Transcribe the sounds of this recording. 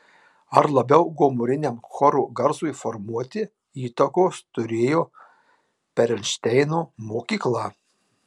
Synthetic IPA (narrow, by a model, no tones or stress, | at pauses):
ɐɾlˠɐbʲɛʊɡoːmoːɾʲɪnʲɛmxɔɾuːɡɐɾzuɪfɔɾmuɔt̪ʲɪ | iːt̪ɐkoːst̪ʊɾʲeːjoː | pʲɛɾʲɛnʲʃʲt̪ʲɛɪnoːmoːkʲiːklˠɑː